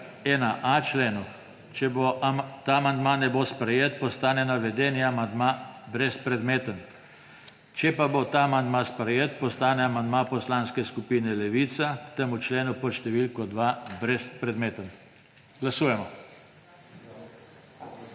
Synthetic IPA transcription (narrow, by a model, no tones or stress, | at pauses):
ɛnaʔat͡ʃleːnu | t͡ʃɛbot̪amand̪maːnɛbospɾɛjeːt̪̚pɔst̪aːnɛnaʋɛd̪ɛːniamand̪mabɾɛspɾɛd̪meːt̪ən | t͡ʃɛpabot̪aamand̪maspɾɛjeːt̪pɔst̪aːnɛamand̪mapɔslaːnskɛskupinɛlɛʋiːt̪sakt̪emut͡ʃleːnupɔʃt̪ɛʋilkɔd̪ʋabɾɛspɾɛd̪meːt̪ən | ɡ̥lasuːjɛmɔ